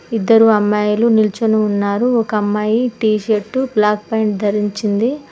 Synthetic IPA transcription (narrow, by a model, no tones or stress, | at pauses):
id̪ːɐɾuɐmːaːjɐlunilt͡ʃunuːnːaːɾuɔkɐɐmːaːjiʈiːʃɐʈːublaːk̚pɐjɳʈd̪ʱɐɾiɲt͡ʃind̪i